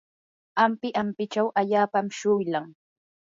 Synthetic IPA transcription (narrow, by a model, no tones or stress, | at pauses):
ampɪʔampɪt͡ʃawʔaʎaːpamʃʊjlaŋ